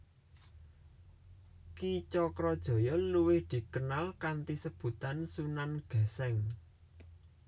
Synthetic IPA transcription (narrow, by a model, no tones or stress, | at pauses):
kit͡ʃɔkɾɔd̥ʒ̥ɔ̤jɔluwɪhd̪̥i̤kənalkant̪isəb̥ṳt̪ansunanɡ̥a̤sɛŋ